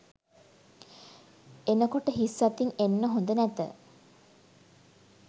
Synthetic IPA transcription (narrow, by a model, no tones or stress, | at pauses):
enəkoʈəɦisːat̪iŋenːəɦond̪ənæt̪ə̰